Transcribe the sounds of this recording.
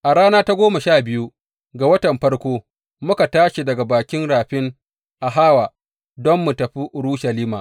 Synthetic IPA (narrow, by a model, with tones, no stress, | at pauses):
ʔa˨ɽaː˦naː˦ta˦ɡʷoː˦ma˨ʃaː˦˨bɪ˦ju˦ | ɡa˨wɐ˦tɐ˨mɸɐ˦ɽkʷoː˦ | mʊ˦ka˨taː˦ʃi˨dɐ˨ɡa˨baː˨kʲɪ˦nɽaː˨ɸɪ˦ŋ | ʔa˨ɦaː˦waː˨ | dɔ˦mːu˨tɐ˨ɸi˦ʔʊ˨ɽuː˦ʃɐ˨liː˦ma̰ː˨